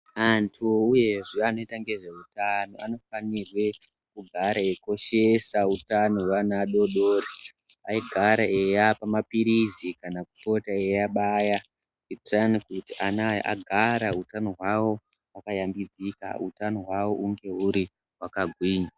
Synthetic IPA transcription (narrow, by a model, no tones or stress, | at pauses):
antʰuuje̞ʐiano̞itaŋɡe̞ʐe̞utano̞ʔano̞fanirwe̞ | kuɡʱaɾaeko̞ʃe̞sautanowanaɗo̞ɗoːri | aiɡʱaɾaejapamapiɾizikanakufo̞taejaɓaja | itranikutiʔanaa̰ɡʱaɾautano̞ɦwawo̞ | wakajambid͡zika̰utanoɦwawo̞ʔuŋɡe̞uɾi | wakaɡʱwiːɲa